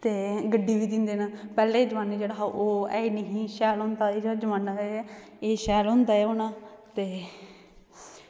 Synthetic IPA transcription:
t̪eːɡəɖːiːʋiːd̪ɪ̃nd̪eːnaːpɛːleːd͡ʒəʋaːneːd͡ʒeːɽaːɦʔoːɛenəɦĩːʃɛːlɦõnd̪aːeːd͡ʒeaːd͡ʒəʋaːnaː | eːʃɛːlɦʊ̃nd̪aːɛonãːt̪eː

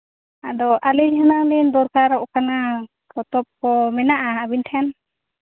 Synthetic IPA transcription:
ad̪ɔʔalijɦɯnaŋlind̪ɔɾkaɾɔʔkana | kɔt̪ɔp̚kɔmɛnaʔaːbinʈʰɛn

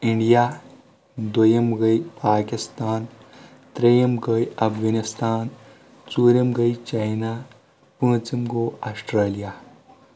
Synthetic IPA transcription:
iɳɖija | d̪wɐjɐmɡɐjpaːkist̪aːn | t̪ɾejɐmɡəjɐfɡanist̪aːn | suɾɐmɡɐjt͡ʃajna | pə̃ːt͡simɡoːʔasʈɾeːlija

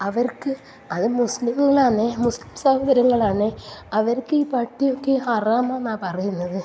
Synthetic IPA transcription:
ɐʋɐɾkɨ | ɐðɨmusliʋuɣɐɭaːɳɨmuslimsɐːʋɐðɐɾɐŋːɐɭaːɳɨɐʋɐɾkɨiːpɐʈːijokːeɐraːmoːnːaːpɐrɐjunːɐðɨ

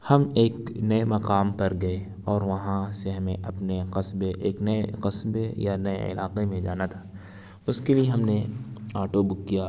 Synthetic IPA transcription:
hɐmeːknɐemɐqaːmpɐɾɡɐe | ɔːɾʋɐɦãseɦɐmẽʔɐpneqɐsbeʔeːknɐeqɪsbejanɐḛɪ̰laːqemẽd͡ʒa̰ːnat̪ʰaː | ʊskelieɦɐmneaːʈobʊkːijaː

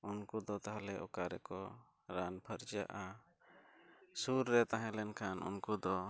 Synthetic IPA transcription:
unkud̪ɔt̪aɦalɛʔɔkaɾɛ̰kɔ | ɾanpʰəɾd͡ʒaʔa | suɾːɛt̪aɦɛ̃lɛnkʰanʔṵnkud̪ɔ

